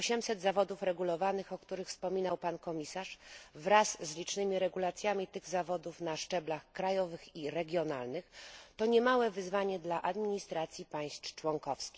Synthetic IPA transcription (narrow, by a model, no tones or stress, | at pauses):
ɔɕɛmsɛd̪zavɔd̪ufɾɛɡulɔvanɘxɔkt̪uɾɘxfspɔmʲinawpankɔmʲisaʂvɾasːlʲit͡ʂnɘmʲiɾɛɡulat̪sʲjamʲit̪ɘɣzavɔd̪ufnaʂt͡ʂɛblaxkɾajɔvɘxiɾɛɡʲjɔna̰lnɘxt̪ɔɲɛmawɛvɘzvaɲɛd̪laʔad̪mʲiɲist̪ɾat̪sʲjipaj̃st̪t͡ʂwɔŋkɔfskʲi